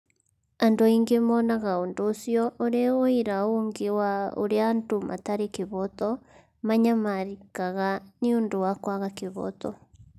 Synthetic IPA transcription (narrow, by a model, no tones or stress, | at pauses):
andoiŋɡemɔnaɣaoːndoːsjɔʔoɾeoiɾaoŋɡewao̰ɾeantomʔa̰taɾekeβɔt̪ɔ | maɲamaɾikaɣaniondowakwaɣakeβɔ̰t̪ɔ̰